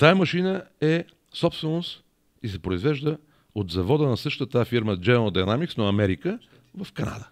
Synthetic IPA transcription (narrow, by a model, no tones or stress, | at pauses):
t̪ajɐmɐʃinəɛ | sɔpst̪vɛnost̪ | isɛpɾoizvɛʒd̪ə | od̪zɐvɔd̪ənɐsɤʃt̪ət̪afiɾməd͡ʒɛnod̪ɐnamiksnoɐmɛɾikə | vɐfkɐna̰d̪ə